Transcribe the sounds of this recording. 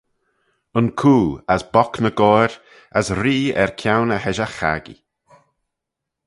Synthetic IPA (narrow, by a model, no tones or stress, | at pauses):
ənkʰuːasbɔknəɡɔɾ | asɾiːɛ̰ɹkʰjawnəhɛʒəxa̰ɡḭ